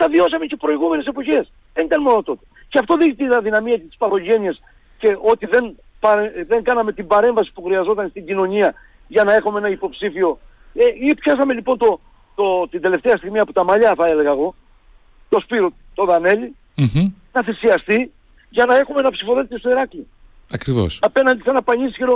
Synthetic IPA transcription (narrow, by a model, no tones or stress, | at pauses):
t̪ɐvio̞sɐmece̞pɾo̞iɣume̞ne̞sepo̞çe̞s | ðenit̪ɐnmo̞no̞t̪o̞t̪e̥ | ceɐft̪o̞ðiɣit̪inɐðinɐmiɐce̞t̪i̥spɐɾo̞ʝe̞ɲies | ce̞ʔo̞t̪iðe̞n | pɐeðe̞ŋɡɐnɐme̞t̪ibɐɾe̞ɱvɐsi̥puxɾiɐzo̞t̪ɐnst̪iɲɟino̞ɲiɐ | ʝɐnɐexumeenɐipo̞psifio̞ | eipsɐsɐme̞lipo̞nt̪o̞ | t̪ot̪ind̪e̞le̞ft̪eɐst̪iɣmiɐpot̪ɐmɐʎɐθɐe̞le̞ɣɐːɣo̞ | t̪o̞spiɾo | t̪o̞ðɐne̞ʎi | nɐθisiɐst̪i | ʝɐnɐe̞xumeenɐpsifo̞ðe̞t̪est̪oiɾɐkli | ɐkɾivo̰sɐpenɐnd̪isɐnɐpɐɲisisçeɾo